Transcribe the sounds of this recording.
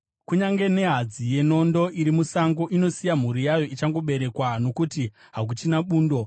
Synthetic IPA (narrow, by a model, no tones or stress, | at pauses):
kuɲaŋɡe̞ne̞ɦad͡zije̞no̞ndo̞ʔiɾimusaŋɡoʔino̞sijam̤uɾijajo̞ʔit͡ʃaŋɡo̞ɓe̞ɾe̞kwano̞kuti | ɦak̬ut͡ʃinaɓuːndo̞